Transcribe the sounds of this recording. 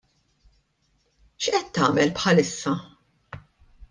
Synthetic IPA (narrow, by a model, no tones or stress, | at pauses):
ʃʔɛt̪ːɐːmɛlpħɐlɪsːɐ